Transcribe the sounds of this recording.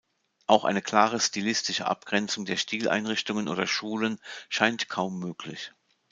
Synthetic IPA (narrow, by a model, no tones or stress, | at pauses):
ʔaʊxʔa̰ɪnəkʰl̥aːʁəstilɪstɪʃə̰ʔa̰p̚ɡ̥ʁɛnt͡sʊŋdeːɐʃtiːlʔa̰ɪnʁɪçtʊŋənʔo̰ːdɐʃuːlənʃaɪntkʰaʊmːøːkʰlɪ̰ç